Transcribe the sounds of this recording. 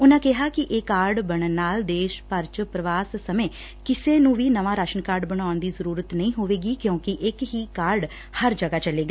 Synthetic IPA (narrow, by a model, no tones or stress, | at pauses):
ʊnãːkɪɦaːkɪʔeːkaːɾɖbəɽ̃ənːaːld̪eːʃpəɾt͡ʃpɾəʋaːsːəmẽː | kɪseːnũːʋiːnəʋãːɾaːʃəɳkaːɾɖbəɽ̃aːʊnd̪iːzəɾuːɾət̪nəĩːɦoːʋeːɡiːkjõːkɪʔɪkɦiːkaːɾɖ | həɾd͡ʒəɡaːt͡ʃəleːɡaː